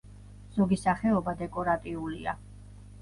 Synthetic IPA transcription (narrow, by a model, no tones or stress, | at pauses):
z̥ɔɡisaχɛɔbad̪ɛkʼɔɾat̪ʼiulḭa̰